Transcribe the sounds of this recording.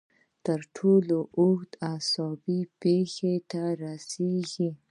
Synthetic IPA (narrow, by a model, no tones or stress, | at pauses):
t̪əɾʈʰoloʔʊxt̪asɔbipexet̪aɾasiɡi